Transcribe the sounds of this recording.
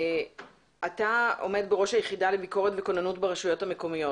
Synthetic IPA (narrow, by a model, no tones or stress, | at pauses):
ʔatao̞̰me̞dbeʁo̞ʃajeχidalebiko̞ʁetveko̞nanutbeʁaʃujo̞thame̞ko̞mijo